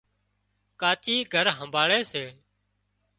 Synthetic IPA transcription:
kaːt͡ʃiːɡʱəɾɦəmbʱaːɭeːseː

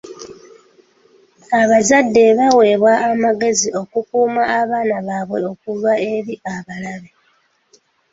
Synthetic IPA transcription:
aβazadːe̞βawe̞ːβwaʔːmaɡe̞zio̞kukuːmaːβaːnaβaːβwe̞o̞kulwae̞ɾiaβalaβe̞

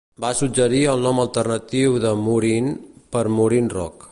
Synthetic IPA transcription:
basud͡ʒəɾiəlˠnɔməlˠt̪ərnət̪iwðəmuɾinpəɾmuɾinrɔk

